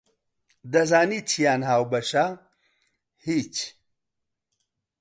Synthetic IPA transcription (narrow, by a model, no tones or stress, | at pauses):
d̪ɐzaːnit͡sʰijaːnɦaːwbɐɕa | hit͡ɕ